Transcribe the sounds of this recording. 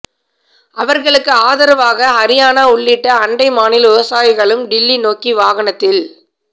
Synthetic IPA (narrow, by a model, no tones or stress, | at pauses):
ʔɐʋɐɾɣɐɭɯkːɯaːðɐɾɐʋaːɣɐːɾɪjaːnaʊɭːɪʈːɐːɳɖɐɪmaːnɪlʋʊʋɐsaːjɪɣɐɭɯmɖɪlːinoːkiʋaːɣɐɳɐt̪ːɪl